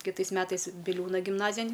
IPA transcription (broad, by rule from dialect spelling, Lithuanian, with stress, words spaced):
kʲɪˈtɐɪs ˈmʲæːtɐɪs bʲɪˈlʲuːnɐ ɡʲɪmˈnɑːzʲɪjɛnʲ